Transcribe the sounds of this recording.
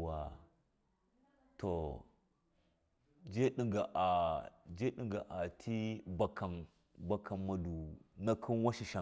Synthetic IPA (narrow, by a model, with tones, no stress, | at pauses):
wa˨ | to˨ | d͡ʒe˦ɗi˨ŋɡa˨ʔa˨d͡ʒe˦ɗi˨ŋɡa˨ʔa˨tʰi˦ba˨kʰa˨n | ba˦kʰa˨mma˨du˨na˦kʰi˦nwa˦ʃi˨ʃa˨